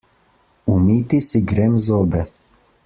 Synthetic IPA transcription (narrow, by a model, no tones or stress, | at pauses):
umit̪isiɡɾemzoːbɛ